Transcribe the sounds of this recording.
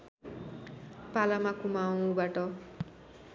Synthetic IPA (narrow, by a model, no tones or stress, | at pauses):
palamakumawũbaʈʌ